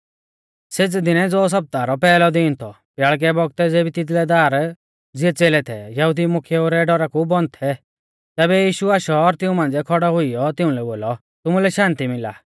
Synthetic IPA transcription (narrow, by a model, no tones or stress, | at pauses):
set͡sd̪ɪnɛd͡zɔs̬ɐp̚t̪aɾɔpɛːlɔd̪ɪːnt̪ʰɔ | pjaɭk̬ɛbɔɡ̚t̪ɛd͡zeːbit̪ɪt̪lɛd̪aːɾ | d͡zɪɛt͡seːlɛt̪ʰɛ̰jɐɦud̪imʊkʰjɛoːɾɛɖɔɾakubɔnt̪ʰɛ | t̪ɛːbɛjiːʃuaːʃɔːɾt̪ɪ̃ũmãːnd͡zɛkʰɔɽɔɦʊijɔt̪ɪũlɛboːlɔ | t̪ʊmulɛʃãːnt̪imɪla̰ː